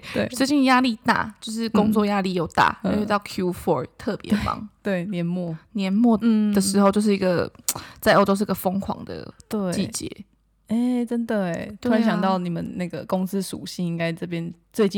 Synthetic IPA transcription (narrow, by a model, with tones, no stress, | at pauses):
we˥˧˩swe˥˧ɪt͡ɕi˥nja˦˥li˥˧˨t̪a̰˥˩t͡ɕjo˥˧ʊʂ̬ɻ̩˥˩kʊ˥˦ŋt͡swɔ˥˨ja˦˥li˥˩jo˨˩ʊt̪a̰˥˩o˥˧ɕt̪ɑ˥˩ʊkʰju˦fɔ˧˥t̪ʰɤ˥˨pjɛ̰˨˧˥fɑ̰˧˥˦ŋt̪we˥˩ɪnjɛ˨˧˥nmwɔ˥˨njɛ˧˥nmwɔ˥˨d̪ə˨˩ʂɻ̩˧˥xo˥˧ʊt͡ɕjo˥˧ʊʂɻ̩˥˩i˧ɡə˨t͡sa˥ɪo˥ʊʈ͡ʂo˥ʊʂ̬ɻ̩˥˧˩ɡə˨˩fɔ˥ŋkʰwɑ̰˨˩ŋd̪ə̰˨t̪we˥˩t͡ɕi˥˩t͡ɕjɛ̰˧˦ | e˥˩ʈ͡ʂə˦˥nd̪ə˨˩˥u˥a˧˥nɕjɑ˨ŋt̪ɑ˥˩ʊni˨˩mə˨˦nna˥˩ɡə˩kʊ˦ŋs̩˥ʂṵ˨˩ɕi˥˩ŋi˥ŋka˥ɪʈ͡ʂɤ˥˩p̬jɛ˦nt͡swe˥˧ɪt͡ɕi˥˨